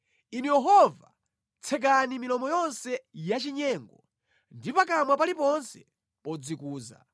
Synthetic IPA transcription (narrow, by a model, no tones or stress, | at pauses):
inujɛɦɔva | t͡sʰɛk̬animilɔmɔjɔnsɛjat͡ʃiɲɛːŋɡɔ | ndipakamwapalipɔnsɛ | pɔd͡zikuːza̰